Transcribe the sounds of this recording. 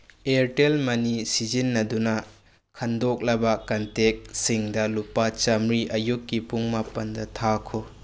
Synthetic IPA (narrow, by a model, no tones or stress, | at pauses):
eɾtelmɐnisid͡ʒinːɐdunɐ | kʰɐndok̚lɐbɐkɐntek̚siŋdɐlupat͡ʃɐmɾiʔɐjukːipuŋmapɐndɐtʰakʰu